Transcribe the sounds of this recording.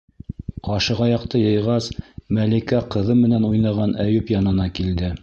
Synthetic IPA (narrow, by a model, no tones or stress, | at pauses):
qɑʃɤ̆ʁɑjɑqt̪ɤjɤ̆jʁɑsmælikæqɤ̆ðɤmɘ̆nænujnɑʁɑnæjɵpjɑnɤ̆nɑkild̪ɘ